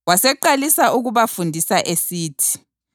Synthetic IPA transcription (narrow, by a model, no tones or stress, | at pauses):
wasɛǃalisaʔuɣuβafundʱisaʔesiːtʰi̥